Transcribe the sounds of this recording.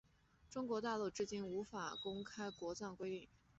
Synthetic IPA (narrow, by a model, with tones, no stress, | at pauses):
ʈ͡ʂʊ˥ŋkwɔ˧˥t̪a˥˧lu˥˧ʈ͡ʂɻ̩˥˩t͡ɕi˥˩nu˧˥fa˨˩kʊ˥ŋkʰa˥ɪkwɔ˧˥t͡sɑ˥˩ŋkwe˥ɪt̪i˥˩ŋ